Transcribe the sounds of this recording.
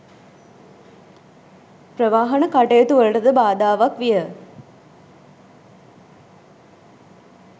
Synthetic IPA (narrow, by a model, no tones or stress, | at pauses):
pɾəʋaːɦɐnəkaʈejət̪uʋəlʈəd̪əbaːd̪aːʋakʋijə